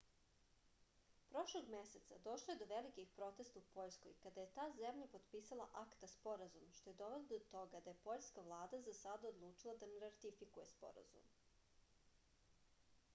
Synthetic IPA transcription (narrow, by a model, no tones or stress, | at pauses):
pɾo̞ʃlˠoɡme̞se̞t̪sa̰d̪o̞ʃlˠoje̞d̪o̞ʋelikixpɾo̞t̪e̞st̪aupo̞ʎsko̰jkad̪aje̞t̪aːzemʎapod̪piːsalˠaʔakt̪aspo̞ɾazumʃt̪o̞je̞d̪o̞ʋelod̪ot̪o̞ɡad̪aje̞po̞ʎskaʋlˠaːd̪azasad̪aod̪lˠuːt͡ʃilˠad̪aneɾaɾt̪ifikujespo̞̰ɾa̰zṵm